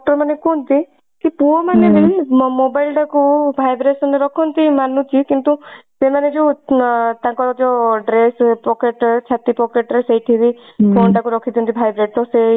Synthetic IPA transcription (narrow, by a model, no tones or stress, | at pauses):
k̚ʈɔɾmanekont̪i | kipuɔmanebimobajlʈakubʱajbɾesɔneɾɔkʰɔnt̪imanũt͡ʃʰikint̪usemaned͡ʒe | t̪ãŋkɔɾd͡ʒɔɖɾespɔkeʈt͡ʃʰat̪ipɔkeʈ̚ɾesejʈʰiɾipʰonʈakuɾɔkʰit̪ʰiɔ̃nt̪ʰibʱajbɾeʈ̚t̪ɔse